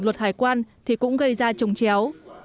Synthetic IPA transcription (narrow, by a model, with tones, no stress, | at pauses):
ŋlwə˨˩t̚haː˨˩jkwaː˧nt̪ʰi˨˩kʊ̰˧˥ŋ͡mɣə˧jzaː˧t͡ɕə˨˩wŋ͡mt͡ɕɛ˨˦w